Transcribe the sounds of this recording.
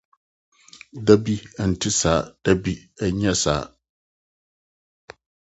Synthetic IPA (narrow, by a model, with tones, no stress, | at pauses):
da˦bi˦a˨n̩˨tʰɪ˦saː˨˦d̥a˦bi˦ɛ˦ɲɛ̃˦sa̰ː˨˦